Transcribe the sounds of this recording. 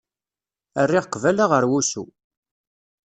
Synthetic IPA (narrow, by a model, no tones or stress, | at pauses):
ərːɪʁqːvælaʁəɾwusṵ